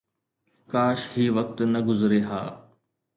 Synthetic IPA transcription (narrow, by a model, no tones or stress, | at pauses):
kaːʃɦiːʋɐk̚t̪nɐɡʊzɾeɦa̰ː